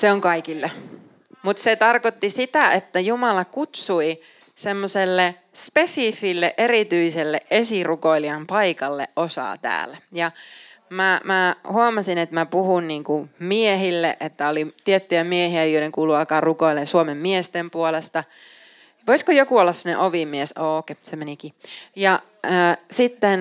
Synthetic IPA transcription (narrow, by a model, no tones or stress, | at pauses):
seoŋkɑikilːɑ | mut̪set̪ɑrkot̪ːisit̪æet̪ːæjumɑlɑkut̪sui | semːoselːe | spesifilːeʔerit̪yiselːeʔesirukoiliɑmpɑikɑlːḛʔʔosɑ̰ːt̪æ̰ːlæjɑmæmæhuɑmɑsinet̪mæpuhunniːŋkumieɦilːḛʔet̪ːæolit̪iet̪ːyjæmiehiæjoiɾeŋkuːluɑkɑːrrukoilːensuomemːiest̪empuolest̪ɑ | ʋoiskojokuolːɑsːemŏnḛʔoʋimːiesoːkesemenikijɑ | əsit̪ːen